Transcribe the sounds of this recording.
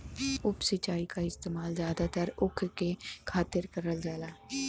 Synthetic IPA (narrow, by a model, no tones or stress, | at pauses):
ʊpsɪt͡ʃaːikaɪst̪eːmaːlzjaːd̪at̪əɾʊkʰkekʰaːt̪ɪɾkəɾəld͡ʒaːlaː